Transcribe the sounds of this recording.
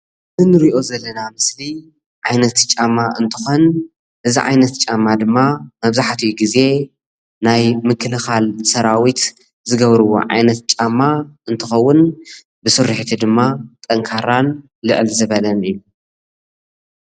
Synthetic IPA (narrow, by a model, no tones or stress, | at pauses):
ɨzɨnɨɾiʔo̞zɐlːɐnamɨsli | ʕajnɐt̪t͡ʃʼamaʔɨnt̪ʰɨ̥xo̞n | ʔɨziʕa̰jnɐt̪t͡ʃʼamːad̪ɨmːamɐβzaħt̪ʰijɡize̞ | najmɨkʰːɨlɨxalsɐɾawit̪ | zɨɡɐβɾɨwo̰ʕa̰jnɐt̪̚t͡ʃʼamːaɨnt̪ʰɨxɐwːʊn | bɨsɨɾːɨħt̪ʰid̪ɨmːat̪ʼɐŋkʰaɾan | lɨʕɨlzɨβɐlɐnɨjːu